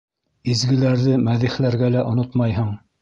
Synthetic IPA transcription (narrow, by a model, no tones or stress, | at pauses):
izɡɘ̆læɾðɘmæðiχlæɾɡælæʔŏnot̪mɑjɦɤɴ